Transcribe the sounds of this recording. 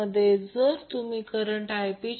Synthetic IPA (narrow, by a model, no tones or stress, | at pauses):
əd̪ʱːjed͡zəɾt̪umiːkəɾəɳʈajpit͡ɕ